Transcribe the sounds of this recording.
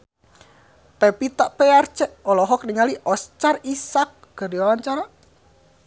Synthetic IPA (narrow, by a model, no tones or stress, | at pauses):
pɛpit̪aʔpɛart͡ʃɛʔɔlɔɦɔk̚niŋaliʔɔst͡ʃarisak̚ɡ̥ərdiwalaɲt͡ʃaɾa